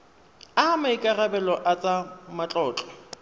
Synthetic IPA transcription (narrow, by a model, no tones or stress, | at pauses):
amaikʼarabɛlɔʔat͡sʼamat͡ɬʼɔːt͡ɬʼɔ̥